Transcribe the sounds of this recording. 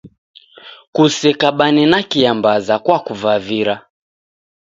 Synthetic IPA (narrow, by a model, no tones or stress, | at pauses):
kusɛkaɓanɛnakiambazakwakuvaviɾa